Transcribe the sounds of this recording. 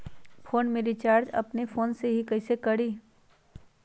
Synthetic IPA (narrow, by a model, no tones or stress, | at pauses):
foːnmẽɾit͡ʃaːɾd͡ʒɐ̰pnefʰoːnseɦikɐɪsekɐɽiː